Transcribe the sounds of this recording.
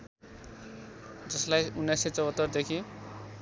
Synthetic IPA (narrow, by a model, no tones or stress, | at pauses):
d͡zʌslajunːajset͡sʌwʌt̪ːʌrd̪ekʰi